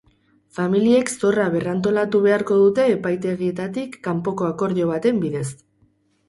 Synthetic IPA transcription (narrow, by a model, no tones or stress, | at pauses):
familie̞kso̞raβ̞e̞rant̪o̞lat̪uβe̞aɾko̞ðut̪e̞ːpajt̪e̞ɣie̞t̪at̪ikːampo̞ko̞ako̞ɾðo̞β̞at̪e̞mbiðe̞s